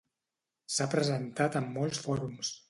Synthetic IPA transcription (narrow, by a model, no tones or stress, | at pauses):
sapɾəzənt̪at̪əmːɔlˠsfɔɾums